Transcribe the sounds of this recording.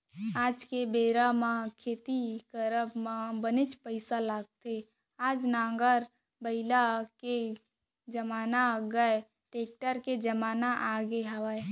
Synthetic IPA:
aːd͡ʒkebeɾamakʰeːt̪ikəɾəbmabənet͡ʃpəɪsalaːɡ̚t̪e | aːd͡ʒnãːŋɡəɾ | bəɪlake | d͡ʒəmaːnaɡəe | ʈeːk̚ʈəɾked͡ʒəmaːnaʔaɡeɦəʋa

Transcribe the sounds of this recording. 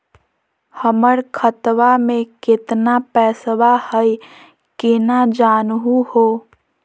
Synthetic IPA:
həməɾkʰət̪ʋamẽkɪt̪napɛːsʋahəj | kinad͡ʒanɦuho

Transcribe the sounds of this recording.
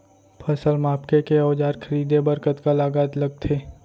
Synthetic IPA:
pʰəsəlmaːpkekeɔːd͡ʒaːɾkʰəɾiːd̪ebəɾkət̪kalaːɡaːt̪ləɡ̚t̪ʰeː

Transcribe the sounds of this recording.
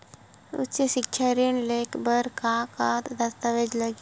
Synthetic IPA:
ʊ̰tːt͡ʃeʃɪkʃʰaɾinleːkbəɾkakat̪d̪ɐst̪aʋed͡ʒləɡ

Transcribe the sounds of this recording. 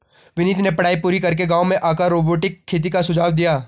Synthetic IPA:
ʋɪniːt̪nepɐɽaːipuːɾikɐɾk̬eɡaːomẽʔaːkaɾoːboːʈɪkʰːeːt̪̬ikasʊd͡ʒaːʋd̪ijaː

